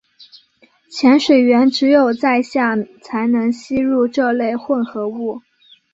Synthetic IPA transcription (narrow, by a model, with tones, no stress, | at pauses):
t͡ɕʰjɛ˧˥nʂwe˨˩ɪɥɛ˧˥nʈ͡ʂɻ̩˧˥jo˨˩ʊt͡sa˥˧ɪɕja˥˩t͡sʰa˧˥ɪnɤ˧˥ŋɕi˥ɻu˥˧ʈ͡ʂɤ˥˧le˥˧ɪxwə˥˩nxɤ˧˥u˥˩